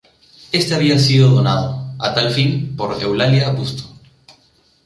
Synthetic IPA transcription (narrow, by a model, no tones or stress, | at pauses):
e̞st̪eaβiasiðo̞ðo̞nað̞oat̪alfinpo̞ɾḛwlaljaːpust̪o̥